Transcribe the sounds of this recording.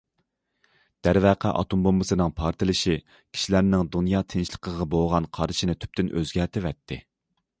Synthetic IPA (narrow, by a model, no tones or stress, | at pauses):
d̪̥æɾvæqʰæʔɑ̰t̪umbombɨsɨnɨŋpʰɑɾt̪ʰɨlˠɨʃi | kʲʰi̥ʃilæɾnɪŋd̪unjɑːt̪ʰɪnʃlˠə̥qʰəʁɑbolˠʁɑnqʰɑɾɨʃinɪt̪ʰy̥p̚t̪ɪnʔøzɡʲɛɾt̪ʰɪvɛt̪ʰːɪ